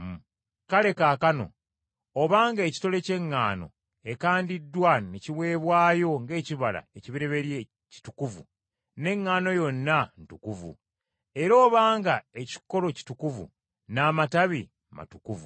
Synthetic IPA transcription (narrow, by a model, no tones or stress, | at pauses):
kale̞kakano̞̰ | oβaːŋɡaeci̥to̞le̞ce̞ŋːaːno̞̰ | e̞kaːndidːwaneciβwe̞ːβwaːjo̞ŋɡe̞ːciβala̰eciβiɾe̞βe̞ɾje | ci̥tukuvṵ | ne̞ŋːaːno̞jo̞nːantukuvṵ | e̞ɾo̞ːβaːŋɡae̞ci̥ko̞lo̞ci̥tukuvṵ | naːmataβi | ma̰tukuvṵ